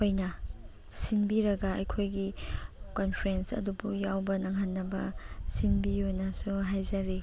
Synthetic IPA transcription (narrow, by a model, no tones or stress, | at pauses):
ojnɐ | sinbiɾɐɡɐɐ̰jkʰojɡikonpʰɾensɐ̰dubujawbɐnaŋɦanːɐbɐ̰sinbionɐsuɦajzɐɾi